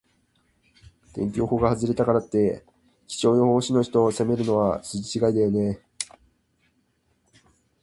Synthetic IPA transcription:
t̪ẽ̞̰ŋʲkʲo̞ːho̞ɡahazɨɾe̞t̪akaɾat̪ːe̞ | t͡ɕʲi̥t͡ɕo̞ːjohoːɕino̞çi̥t̪o̞se̞me̞ɾɯ̟no̞βasɨd͡ʑit͡ɕiɡaid̪ajo̞ne̞

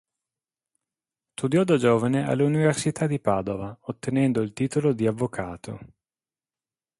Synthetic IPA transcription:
st̪ud̪jɔːd̪ad͡ʒoːvanea̰lːuniversit̪ʰad̪ipaːd̪ovaot̪ːenɛnd̪oilt̪iːt̪olod̪iavːokʰaːt̪ʰo̰

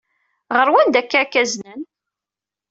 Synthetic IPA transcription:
ʁəɾwænd̪ækːækːæznən

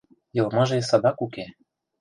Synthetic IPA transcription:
jɤ̆lmɑʒesɑd̪ɑkuke

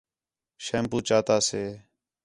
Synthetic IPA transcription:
ʃeːmpuːt͡ʃaːt̪aːseː

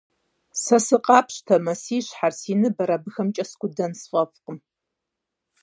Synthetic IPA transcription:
sɐsɨqʼɑːpʰɕtʰɐmɐsiːɕħarsiːnɨbɐɾɐbɨxɐmt͡ʃʼɐskʷʊdɐnsfʼɐfqəm

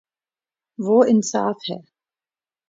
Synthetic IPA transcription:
ʋoːɪnsaːfhɛ̰ː

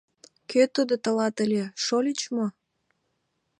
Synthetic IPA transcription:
køt̪əd̪ot̪ə̆lɑt̪əlʲeʃolʲit͡ɕmo

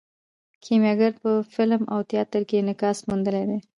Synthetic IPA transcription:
kʰemjɑɡaɾpəfɪlma̰wt̪jɑt̪əɾkenɪkɑsmund̪əled̪e

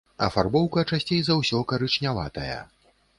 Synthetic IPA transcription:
ɐ̰farbɔwkɐt͡ʂasʲt͡sʲejzawsʲɔkɐɾɨt͡ʂnʲava̰t̪ɐjɐ̰

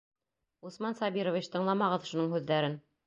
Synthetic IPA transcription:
usmɑnsɑbiɾovʲit͡ɕt̪ɤ̆ɴlˠɑmɑʁɤðʃunɤɴhʉðːæɾɘn

